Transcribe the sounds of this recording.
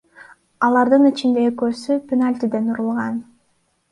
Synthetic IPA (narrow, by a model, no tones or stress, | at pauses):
ɑlˠɑɾd̪ɯnit͡ʃind̪e̞ekø̞ːsypʲenalʲt̪ʲid̪e̞nuɾulˠʁɑn